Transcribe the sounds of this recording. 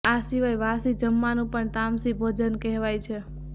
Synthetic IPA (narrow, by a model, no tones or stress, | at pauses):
asiʋajʋasid͡ʒəmːanũpəɳt̪amsibʱod͡ʒənkɛɦʋajt͡ʃʰe